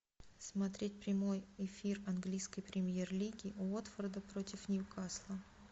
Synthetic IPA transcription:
smɐt̪ɾʲet̚ʲpɾʲɪmo̞jɪfʲirɐnɡlʲijskəjpɾʲɪmʲje̞rlʲiɡʲɪot̪fərd̪əpɾo̞tʲɪfnʲɪjukaslˠə

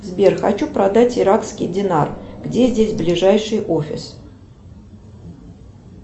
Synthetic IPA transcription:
zbʲerxɐ̰t͡ɕupɾɐd̪atʲɪɾakskʲɪjdʲɪnarɡdʲezʲdʲesʲblʲɪʐajʂɨjofʲɪ̰s

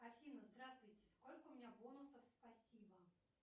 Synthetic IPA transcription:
ɐfʲinəzd̪ɾast̪vʊjtʲɪ̥sko̞lʲkəʊmʲɪnʲabonʊsəfspɐsʲibə

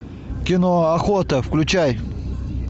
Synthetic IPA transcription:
kʲɪnoɐxot̪əfklʲʉt͡ɕaj

